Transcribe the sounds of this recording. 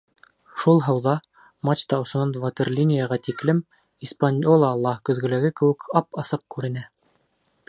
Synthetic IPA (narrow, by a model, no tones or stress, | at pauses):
ʃulˠɦɤ̆wðɑ | mat͡ɕt̪ɑŏsɤ̆nɑnvɑt̪erlʲinʲijɑʁɑt̪iklɘm | ispanʲjolˠɑːlˠːɑkɵ̆ðɡɵ̆læɡɘkɘ̆wɘ̆kɑpɑsɤp̚kʉɾɘ̆næ